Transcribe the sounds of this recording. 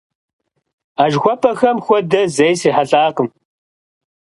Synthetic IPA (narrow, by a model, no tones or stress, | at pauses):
aːʒxʷɔpʰʼɐxɐmxʷɔdɐzɐjsiːħaɬʼaːqəm